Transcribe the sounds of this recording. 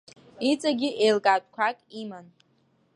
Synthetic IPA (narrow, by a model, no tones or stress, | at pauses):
it͡sʼaɡʲiʔejlkʼatʷʼkʷʰakʼiman